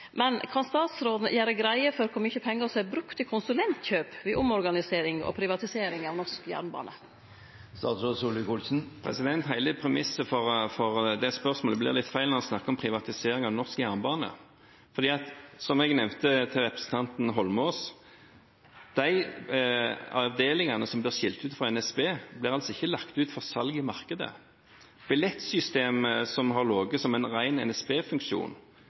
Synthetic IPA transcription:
mɛnkʰɑnst̪ɑːt̪sɾoːd̪nəjæːɾəɡɾæɪəfɔɾkʰɔmʏçəpʰɛŋːəsɔæbɾʉkt̪ɪkʰʊnsʉlɛnt̪çøːpʋɪʔʊmɔɾɡɑnɪseːɾɪŋɔ̰pʰɾɪʋɑt̪ɪseːɾɪŋɑʋnɔskjæ̰ːɾnbɑ̰ːnə | st̪ɑ̰ːt̪sɾoːsuːlɪkulsn̩pʰɾɛ̰sɪd̪ɛnt̪ɦæɪləpʰɾɛmɪsəfɔʁfɔʁd̪ɛspœʁsmoːləblɪ̰ʁlɪt̪fæɪlnɑɔsnɑkːəɔmpʰʁɪʋɑt̪ɪseːɾɪŋɑʋnɔskjæʁnbɑːnə̰ | fɔʁd̪iːɑt̪sɔmɛɡnɛmt̪ət̪ʰɪʁɛpɾʁəsn̩t̪ʰɑnt̪nɦɔlmoːs | d̪̥æɪ | ɑʋd̪eːlɪŋɑnəsɔmblɪʁʂɪlt̪ʉːt̪fʁɑɛnɛsbeːblɪʁɑlsɔɪçːəlɑkt̪ʉːt̪fɔʁsɑlɡɪmɑʁkəd̪ə̰ | b̥ɪlɛt̪sʏst̪eːməsɔmɦɑʁloːɡəsɔmæɪnʁæɪnɛ̰nɛspeːfʉŋkʃṵːn

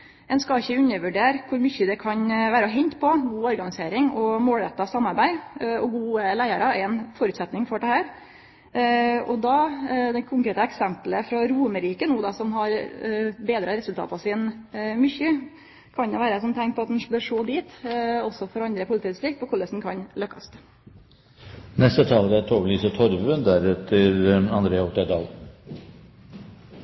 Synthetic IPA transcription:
ɛnskɑɪçːəʉɲːəʋʉɖeːɾkʰʊɾmʏçːəd̪ɛkʰɑɲʋæːɾəɦɛɲt̪pʰɔɡuːɔɾɡɑnɪseːɾɪŋɔmoːlɾɛt̪ːɑsɑmːɑɾbæɪɔɡuːəlæɪɑɾəɛɾɛnfɔɾʉt̪sɛt̪nɪŋfɔɖɛhæːɾ | ɔ̰d̪ɑd̪ɛkʰʊŋkɾeːt̪əɛksɛmpləfɾɑɾuːməɾiːkənuːd̪ɑsɔmɦɑɾbeːd̪ɾəɾɛsʉlt̪ɑ̰ːt̪ɑʋsɪːnmʏçə | kʰɑnd̪ɛʋæːɾəsɔmt̪ʰɛŋk̚pʰɔɑt̪d̪nbøɾʂoːd̪iːt̪ɔsːɔfɔɾɑnd̪ɾəpʊlɪt̪iːbst̪ɾɪk̚pʰɔkʰʊlːəsn̩kʰɑnlœkːɑst̪ | nɛst̪ət̪ʰɑːləɾæt̪ʰoːɡlyːsət̪ʰɔɾʋəd̪æɾɛt̪ʰəɾɑnd̪ɾeːɑɔt̪əɖɑːl

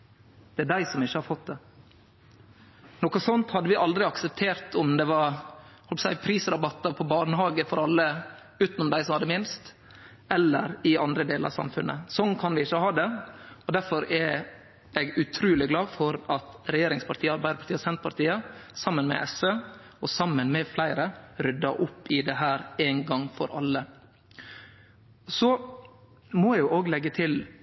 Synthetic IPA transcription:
d̪̥ɛæɖæɪsɔmɪçːəhɑɾfɔt̪̚d̪ɛ | noːkɔsɔnt̪hɑd̪ːəʋɪʔɑld̪ɾɪɑksəp̚t̪ʰeːɾt̪ʰɔmd̪ɛʋɑɾhɔlpəsæɪpʰɾiːsəɾɑbɑt̪ːəɾpʰɔbɑːɳəhɑːɡəfɔɾɑlːə | ʉːt̪nʊmd̪æɪsɔmhɑd̪ːəmɪnst̪ | ɛlːə̰ɾɪɑnd̪ɾəd̪eːləɾɑsɑ̰mfʉnːʔə̰sɔnkʰɑnʋɪɪçːəhɑːd̪ɛɔd̪æɾfɔɾɛ | ɛɡʉt̪ʰɾʉːlɪɡlɑːfɔɾɑt̪ɾɛjeːɾɪŋspʰɑʈt̪ʰiːəɑɾbæɪd̪əpɑ̥ʈ̪iːəsɛnt̪pʰɑɾʈt̪iːəsɑmːənmɛ̰ʔɛsøː | ɔsɑmːənmɛflæɪɾəɾʏd̪ːɑʔʊpːɪd̪ɛɦæːɾeːnɡɑŋfɔ̰ɾʔɑ̰lːə | sɔ | mɔjɛjʊʔoːɡlɛɡːət̪ʰɪl

